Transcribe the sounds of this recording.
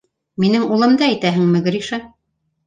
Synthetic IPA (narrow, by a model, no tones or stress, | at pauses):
minɘŋulˠɤ̆md̪ɑæjt̪æɦɘ̆ŋmɘ̆ɡɾʲiʃɑ